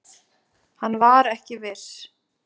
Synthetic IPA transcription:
hanːvaɾɛhcɪvɪɾ̥

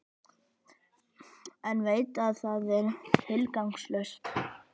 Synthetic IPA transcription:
ɛnveːjt̪aðθaðɛɾt̪ʰɪlkawŋkslœst̪

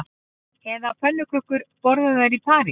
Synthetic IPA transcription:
ɛðapʰœnːʏkʰɾʏhkʏɾpɔɾðaðaɾipʰaːɾɪ

